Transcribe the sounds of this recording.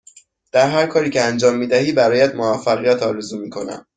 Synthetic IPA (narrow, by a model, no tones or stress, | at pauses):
d̪̥æɾɦæɾkʰɒːɾiːcʰeænd͡ʒɒːmːiːd̪æhiːbæɾɒːjæd̪movæfːæɣijæt̪ʰɒːɾe̞zuːmiːkʰo̞næ̰m